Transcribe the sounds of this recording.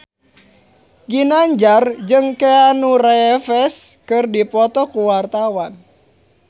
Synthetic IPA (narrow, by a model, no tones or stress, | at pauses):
ɡinaɲd͡ʒard͡ʒɨŋkeanurefɛskɨrdipɔt̪ɔkuwart̪awan